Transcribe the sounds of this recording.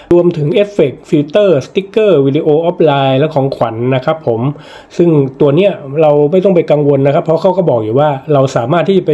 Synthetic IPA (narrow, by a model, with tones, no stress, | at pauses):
ɾu˧əmt̪ʰɯ˩˦ŋʔeː˦˥fe˨˩k̚fi˧t̪ɤː˥˩st̪i˦˥kːɤː˥˩wiː˧diː˧ʔoː˧ʔɔː˦˥p̚laː˧jlɛː˦˥wkʰɔː˩˦ŋkʰwa˩˦nːa˦˥kʰɾa˦˥pʰːo˩˦m | sɯ˥˩ŋt̪u˧ɐni˦˥ɐɾa˧wma˥˩jt̪ɔ˥˩pa˧jka˧ŋwo˧nːa˦˥kʰa˦˥pʰːɾɔ˦˥kʰaː˥˩wkɔ˥˩bɔː˨˩k̚juː˨˩waː˥˩ɾa˧wsaː˩˦maː˥˩t̪ʰːiː˥˩t͡ɕa˨˩pa˧